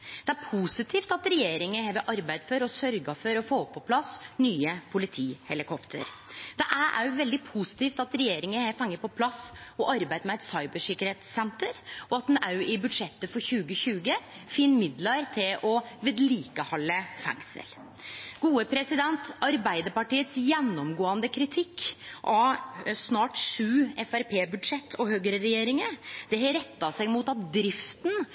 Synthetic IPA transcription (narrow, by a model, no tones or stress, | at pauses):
d̪ɛæɾpʰusɪt̪ʰiːft̪ɑt̪ɾɛjeːɾɪŋəɛʋɛʔɑɾbæɪd̪fɔɾɔsœɾɡɑfɔɾɔfoːpʰːɔpʰlɑsnyːəpʰʊlɪt̪ʰiːhɛlɪkʰɔpt̪ʰə̰ɾ | d̪̥ɛʔæɾʔæ̰ɾjʋɛld̪ɪpʰusɪ̥t̪iːft̪ɑt̪ɾɛjeːɾɪŋəɛfɑŋːəɾpʰɔpʰlɑsɔʔɑɾbæɪd̪mɛɛt̪sɑɪbəʂɪkːəɾheːt̪sːɛnt̪əɾɔɑt̪̚ɛnɑʉɪbʉd̪ʂɛt̪ːəfɔɾçʉːɡəçʉːɡə | fɪnːmɪd̪lɑɾt̪ʰɪlɔʋeːd̪liːkəhɑlːəfæ̰ŋsə̰l | ɡ̥uːəpʰɾɛsɪd̪ɛnt̪ɑɾbæɪd̪əɾpɑʈiːət̪sjɛnːɔmɡoːɑnd̪əkʰɾɪt̪ʰɪkːʔɑsnɑːʈʂʉːɛfæɾpʰeːbʉd̪ʂɛt̪ʰːɔhøːɡəɾəɾɛjeːɾɪŋəd̪̥ɛhɾɛt̪ːɑsæɪmuːt̪ɑt̪̚d̪ɾɪft̪n